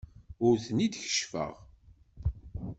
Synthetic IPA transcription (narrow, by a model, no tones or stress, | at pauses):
ʊɾθnid̪çə̥ʃfə̰ʁ